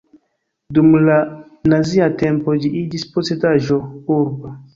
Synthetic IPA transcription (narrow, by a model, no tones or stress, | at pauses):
dumla | naziate̞mpo̞d͡ʒiʔid͡ʒisposedaʒo̞uɾbo